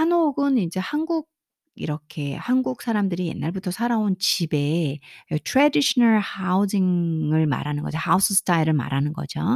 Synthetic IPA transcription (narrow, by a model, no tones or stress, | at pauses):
hanoɡɯnind͡ʑe̞hanɡuɡ̚ | ḭɾʌkʰe̞hanɡuk̚s͈ʰaɾamdɯɾije̞̰nːaɭbutʰʌsʰaɾaont͡ɕibe̞ɯtʰɾadiɕʰʌnaɭhaud͡ʑiŋɯɭma̰ɾanɯnɡʌd͡ʑohausʰɯsʰɯ̥tʰaiɾɯɭma̰ɾanɯnɡʌ̰d͡ʑo